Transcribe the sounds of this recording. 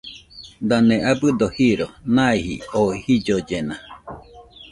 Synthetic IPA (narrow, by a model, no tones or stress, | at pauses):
d̪aneabɨd̪ohiɾonãihḭoihid͡ʒod͡ʒena